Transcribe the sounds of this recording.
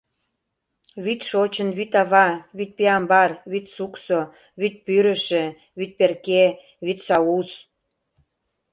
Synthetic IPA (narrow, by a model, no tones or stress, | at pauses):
βyt̪ʃot͡ɕə̆nβyt̪ɑβɑβyt̪̚peɑmbɑrβyt̪sukso | βyt̪̚pyɾə̆ʃĕ | βyt̪̚perke | βyt̪sɑus